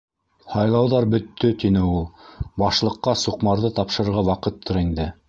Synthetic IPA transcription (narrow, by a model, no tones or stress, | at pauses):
hɑjlˠɑwðɑɾbɵ̆t̪ːɵt̪inɘulˠbɑʃlˠɤ̆qːɑsuqmɑɾðɤt̪ɑpʃɤ̆ɾɾʁɑwɑqɤt̪ʰːoɾind̪ɘ